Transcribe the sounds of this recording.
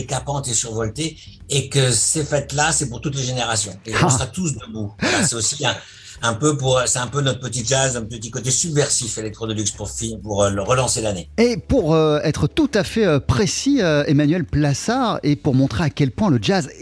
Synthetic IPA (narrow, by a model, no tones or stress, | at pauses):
ekapɑ̃t̪esyʁvɔlt̪eː | kəsefɛt̪lasɛpuʁt̪ut̪leʒeneʁasjɔ̃ẽsʁat̪us̬d̪əbuassɛosiɛ̃ | ɛ̃pøpuʁsɛɛ̃pønɔt̪χəpət̪̬iʒazɛ̃pət̪ikot̪esybvɛʁsifelɛk̚t̪χɔd̪əlykspuʁfiɲpuʁøləʁəlɑ̃selaneepuʁøɛt̪χət̪ut̪afɛøpχesiøemanɥɛlplasaʁepuʁmɔ̃t̪χeakʲɛlpwɛ̃ləd͡ʒaz